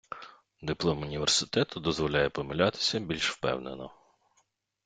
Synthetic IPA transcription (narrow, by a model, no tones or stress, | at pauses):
d̪ɪplˠɔmʊnʲiʋersɪ̥t̪ɛt̪ʊd̪ɔzʋɔlʲajɛpɔmɪlʲat̪ɪ̥sʲɐbʲilʲʃwpɛ̰wnenɔ